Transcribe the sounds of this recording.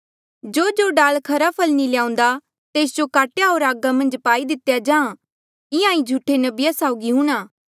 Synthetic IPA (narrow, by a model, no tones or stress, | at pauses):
d͡ʒoːd͡ʒoːɖaːlkʰɐɾapʰɐlniljãːʊ̃nd̪a | t̪eːsd͡ʒokaːʈjaɦoːɾaːɡamɐ̃nd͡ʒpaːid̪ɪt̪jad͡ʒãːã | ɪjãːĩd͡ʒʱuʈʰːenɐbɪjasaːʊɡiɦʊ̃ɽ̃aː